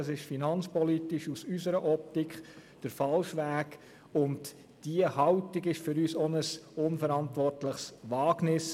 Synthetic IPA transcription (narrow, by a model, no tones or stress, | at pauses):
ɑsɪʃfinɑnt͡spɔlitɪʃusysəɾəʔɔp̚t̪ikχ | d̥əɾfɑlʃʋæːk | ʊnt | d̥iəhɑʊtɪɡɪʃfʏɾyːsɔnəsʊnfəɾɑntʋɔrtləχsʋɑːɡnɪs